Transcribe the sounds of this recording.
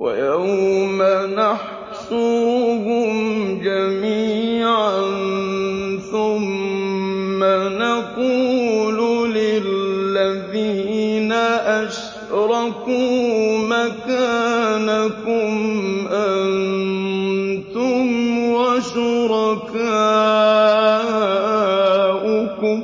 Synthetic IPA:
wa̰jawmanaħ | sʊɾhʊmd͡ʒamiːʕan | θʊmː | anaquːlʊlɪlːaðiːnaʔaʃ | ɾˤɑkumakaːnakʊmʔan | t̪ʊmwaʃʊɾɑka | ʔʊkʊm

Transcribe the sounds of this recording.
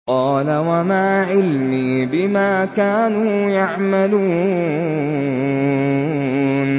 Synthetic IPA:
qɑːlawamaʕʕɪlmiː | bɪmaːkaːnuː | jaʕmaluː | n

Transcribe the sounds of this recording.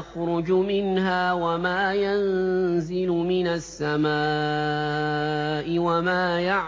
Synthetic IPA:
xɾʊd͡ʒmɪnɦaːwamaːjanzɪlʊmɪnasːamaː | ʔɪwamaːjaʕ

